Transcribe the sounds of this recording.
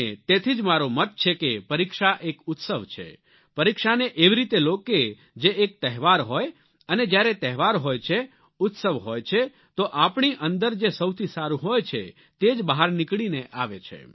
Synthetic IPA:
et̪et̪ʰid͡ʒmaɾomət̪̚t͡ʃʰekepəɾikʃaʔekʊt̪səʋt͡ʃʰḛ | pəɾikʃaneʔeʋiɾit̪eloke | d͡ʒeːk̚t̪əɦʋaɾɦoj | əned͡ʒjaɾet̪ɛɦʋaɾɦojt͡ʃʰe | ʊt̪səʋɦojt͡ʃʰe | t̪oʔapɳiʔənd̪əɾd͡ʒesəwt̪ʰisaɾũɦojt͡ʃʰḛ | t̪ed͡ʒbəɦaɾnikɽineʔaʋet͡ʃʰḛ

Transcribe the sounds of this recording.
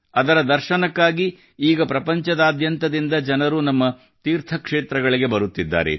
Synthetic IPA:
ɐd̪ɐɾɐd̪ɐɾʃɐnɐkːaːɡi | iːɡɐpɾɐpɐɲt͡ʃɐd̪aːd̪jɐnt̪ɐd̪ind̪ɐd͡ʒɐnɐɾunɐmːɐ | t̪iːɾt̪ʰɐkʂeːt̪ɾɐɡɐɭiɡe̞bɐɾut̪ːid̪ːa̰ːɾe̞̰

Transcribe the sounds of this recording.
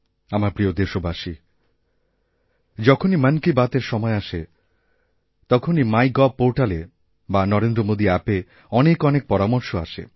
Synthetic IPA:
amaɾpɾiod̪eʃobʱaʃi | d͡ʑɔkʰonimənkibat̪eɾʃɔmɔeaʃe | t̪ɔkʰonimajɡɔb̚pːoɾʈale | banɔɾend̪ɾomod̪iɛpe | ɔnekɔnek̚pɔɾamoɾʃoa̰ʃḛ

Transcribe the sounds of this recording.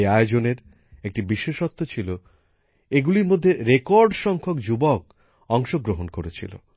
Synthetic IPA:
aeod͡ʑoneɾ | ek̚ʈibiʃːoʃɔt̪ːot͡ɕʰilo | eɡuliɾmod̪ʱːeɾekɔɾɖʃɔŋkʰokd͡ʑubɔk | ɔŋʃoɡɾoɦonkoɾet͡ɕʰḭlo̰

